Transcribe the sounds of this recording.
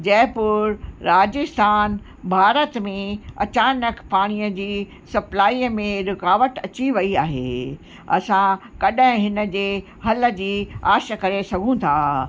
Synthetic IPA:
d͡ʑɛ̃ːɦpʊɾɾɾaːd͡ʑɪst̪ʰaːn | bʱaːɾət̪mẽɐt͡ɕaːnəkpaːɽ̃ijəd͡ʑiː | sɐplaːiːəmẽɾɪkaːʋəʈɐt͡ɕiʋɐiaːɦḛː | ɐ̰sãkɐɗɦɪ̃ɦɪnə̆d͡ʑeː | hɐlə̆d͡ʑiːaːʃəkɐɾesɐɡʱũt̪ʰaː

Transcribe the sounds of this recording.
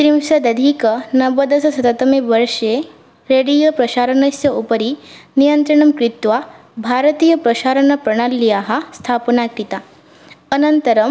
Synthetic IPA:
t̪ɾimsɐd̪ɐd̪ʱikənɐbɐd̪ɐsɐsɐt̪at̪ɐmeʋəɾʂe | ɾeɽijɐpɾɐʃaːɾɐɳɐsjɐupəɾinijɐnt̪ɾɐɳɐmkɾit̪ʋa | bʱaɾət̪iːjɐpɾɐʃaːɾɐɳɐpɾɐɽ̃alːijaɦast̪ʰapnakit̪a | ənɐnt̪ɐɾɐm

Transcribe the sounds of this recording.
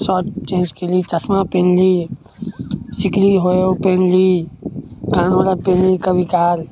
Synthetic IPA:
sɔːʈt͡ʃẽːnd͡ʒkelit͡ʃəsmapẽːnli | sikɾiɦoopẽnli | kãːnolapẽnlikəbʱikaːɾ

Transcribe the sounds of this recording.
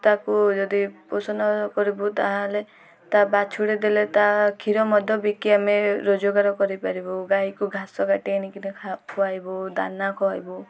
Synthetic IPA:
t̪akud͡ʒɔd̪iposɔnɔkɔɾibut̪aɦãle | t̪abat͡ʃʰuɽed̪elet̪akʰiɾɔmɔd̪ʱjɔbikiameɾod͡ʒoɡaɾɔkɔɾipaɾibɔɡaikuɡʱasɔɡaʈienikinekʰakʰɔajbɔd̪a̰nakʰɔajbɔ

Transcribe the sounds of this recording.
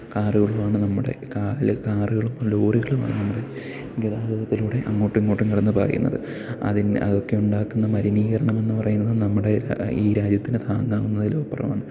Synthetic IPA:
kaːruɣɐɭumaːɳɨnɐmːuɽe̞̰kalkaːruɣɐɭumloːriɣɐɭuma̰ːɳɨnɐmːuɽe̞ | ɡɐðaːɡɐðɐt̪ːiluːɽe̞ʔɐŋːo̞ːʈːuŋːo̞ːʈːuŋkiɽɐnːɨpɐrɐ̰jṵnːɐ̰ðɨ̰ | ɐ̰ðinɐ̰ðo̞kːe̞uɳɖaːkːunːɐmɐɾiniːɣɐɾɐɳɐme̞nːɨpɐrɐjunːɐðɨnɐmːuɽe̞̰iːɾaːd͡ʑjɐt̪ːinɨt̪ʰaːŋɡaːɣunːɐðilo̞ːpːɐrɐ̰ma̰ːɳɨ

